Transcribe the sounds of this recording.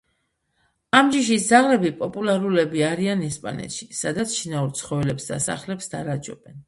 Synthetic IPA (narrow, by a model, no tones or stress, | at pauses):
amd͡ʒiʃ̬isd̪zaʁlɛbipʼɔpʼulaɾulɛbiaɾianɛspʼa̰nɛ̰t̪ʃi̥sad̪at̪sʰʃinauɾt̪sʰχɔvɛlɛpsd̪asa̰χlɛpsd̪aɾad͡ʒɔ̰bɛn